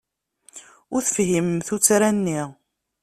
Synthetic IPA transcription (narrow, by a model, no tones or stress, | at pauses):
ʊɾθəfɦimθut͡sːɾænːi